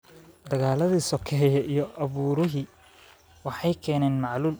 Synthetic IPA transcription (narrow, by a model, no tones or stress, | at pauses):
d̪ɐɣaːlɐðiːsɔkʰɛɦjɐʔijɔʔɐβuːɾɪɦiː | wɑħɑjkʰɛːnɛːnmɑʕluːl